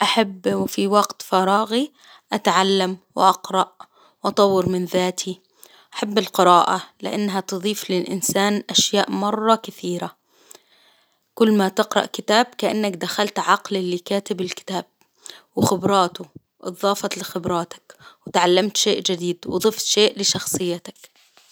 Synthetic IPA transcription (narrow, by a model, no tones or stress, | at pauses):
ʔaħabːwɪfiwɑɡt̪fɑɾˤɑːɣi | ʔat̪ʕalːamwɪ̰ʔɑqɾˤɑʔ | wʔɑt̪ˤɑwːɪɾmɪnðaːt̪ʰi | ʔaħabːɪlqɪɾɑːʔalɪ̰ʔanːɦat̪ɨðˤiːflɪlʔɪ̰nsaːnʔaʃjaːʔmɑrˤːɑkɪθiːɾa | kʊlːmat̪ɪqɾˤɑ̰ʔkɪt̪aːb̚kaʔa̰nːakd̪axalt̪ʕɑqlɪlːikaːt̪ɪbɪlkɪ̥t̪aːb̚ | wɪxɪbɾˤɑːt̪ʊ | ʔɨ̰ðˤɑːfɑt̪lɪxɪbɾˤɑːt̪ḁkwɪt̪ʕalːamt̪ʃeːʔd͡ʒɪd̪iːd̪wɨd̪ˤɨft̪ʃeːʔlɪʃɑxsˤɨjːat̪ḁk